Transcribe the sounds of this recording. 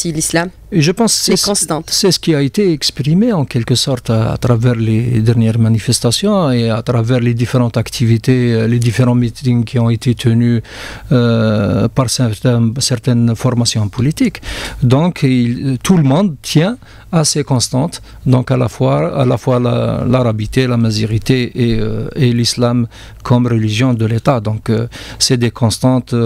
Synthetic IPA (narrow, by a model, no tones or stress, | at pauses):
silislam | eʒəpɑ̃ssst̪ɑ̃sɛsə̥kiaet̪eɛkspʁimeɑ̃kɛlkəsɔʁt̪a̰t̪ʁavɛʁled̪ɛʁnjɛʁmanifɛst̪asjɔ̃eat̪ʁavɛʁled̪ifeʁɑ̃t̪akt̪ʰivit̪eled̪ifeʁɑ̃mit̪iŋkʰiɔ̃et̪et̪ʰəny | paʁsɛt̪ɛsɛʁt̪ɛnfɔʁmasjɔ̃pɔlit̪ikd̪ɔ̃kʰilt̪ʰuləmɔ̃d̪̚t̪jɛ̃ | asekɔ̃st̪ɑ̃t̪ | d̪ɔ̃kalafwaa̰lafwala̰laʁabit̪elamaziʁit̪eʔeelislam | kʰɔmʁəliʒjɔ̃d̪əlet̪ad̪ɔ̃ksɛd̪ekʰɔ̃st̪ɑ̃t̪